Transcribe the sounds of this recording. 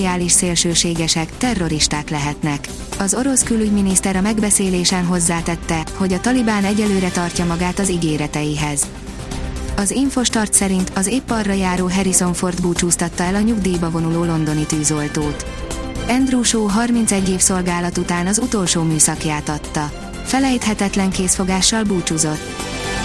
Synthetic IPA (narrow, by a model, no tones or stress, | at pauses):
iaːliʃseːlʃøːʃeːɡɛʃɛkt̪ɛrːo̞ɾiʃt̪aːk̪lɛɦɛt̪nɛk | ɒzo̞ɾo̞skylyɟminist̪ɛɾɒmɛɡbɛseːleːʃɛnɦo̞zːaːt̪ɛt̪ːɛho̞ɟɒt̪ɒlibaːnɛɟɛlːøːɾɛt̪ɒrcɒmɒɡaːt̪ɒziɡeːɾɛt̪ɛjiɦɛz | ɒziɱfo̞ʃt̪ɒrt̪sɛɾint̪ɒzeːpːɒrːɒjaːɾoːɦɛɾiso̞ɱfo̞rd̪buːt͡ʃuːst̪ɒt̪ːɒɛlɒɲuɡd̪iːbɒvo̞nuloːlo̞nd̪o̞nit̪yːzo̞lt̪oːt̪ | ɛnd̪ruːʃoːɦɒrmint̪sɛɟːeːfso̞lɡaːlɒt̪ut̪aːnɒzut̪o̞lʃoːmyːsɒkjaːt̪ɒt̪ːɒ | fɛlɛjt̪hɛt̪ɛt̪lɛŋkeːsfo̞ɡaːʃːɒlbuːt͡ʃuzo̞t̪ː